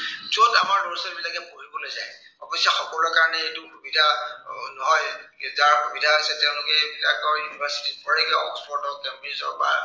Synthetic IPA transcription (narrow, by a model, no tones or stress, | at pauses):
zotamaɹloɹisɔɹbilakɛpoɹibolojzaj | ɔbɔsjaxɔkɔllɔkaɹɔnɛetʊxubidʱanɔɦɔjzaɹxubidʱaɦasɛtɛʊ̃lʊkɛbila̰kɔɹjunibʱaɹsi̥tit̚pɔɹɛɡɛɔ̰kspʰɔɹtɔkɛmbisɔ̰ɹba̰